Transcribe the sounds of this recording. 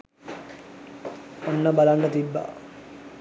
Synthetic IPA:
onːəbalanːət̪ibːa̰

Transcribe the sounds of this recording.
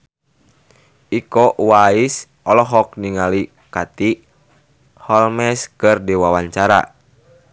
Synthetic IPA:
ikɔwais | ɔlɔɦɔk̚niŋali | kat̪i | hɔlmɛskɨrdiwawaɲt͡ʃaɾa̰

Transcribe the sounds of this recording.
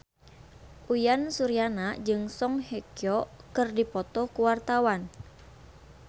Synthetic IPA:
ʔujansuɾianad͡ʒɨŋsɔŋhekijɔkɨrdipɔt̪ɔkuwart̪awan

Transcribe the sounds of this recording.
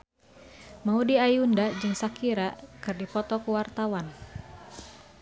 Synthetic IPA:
maudiajundad͡ʒɨŋsakiɾakɨrdipɔt̪ɔkuwart̪awan

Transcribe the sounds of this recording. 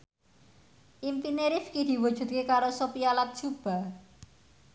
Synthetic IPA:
ʔimpineɾifkid̪̥i̤wud̥ʒ̥ṳt̪̚kekaɾosopialat̪̚d̥ʒ̥ub̥a̤

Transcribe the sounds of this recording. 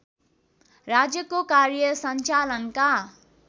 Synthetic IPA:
rad͡zjʌkokarjʌsʌnt͡salʌnka

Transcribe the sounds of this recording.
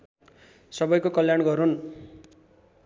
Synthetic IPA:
sʌbʌjkokʌljanɡʌɾun

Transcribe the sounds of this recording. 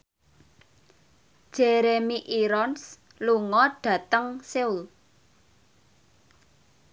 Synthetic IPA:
d̥ʒ̥eɾemiʔiɾɔns | luŋɔɖ̥ä̤t̪əŋseul

